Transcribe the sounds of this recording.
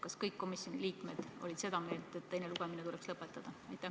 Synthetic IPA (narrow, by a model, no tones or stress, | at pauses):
kɑskɤjkːo̞misjo̞nʲiliːkme̞d̪̥o̞̰lʲid̪̥se̞d̪ɑmeːltd̪̥e̞t̪t̪ːe̞jneluɡ̥eminet̪ulɛkslɤpːˑe̞t̪ːˑɑd̪̥ɑɑjt̪ːˑæ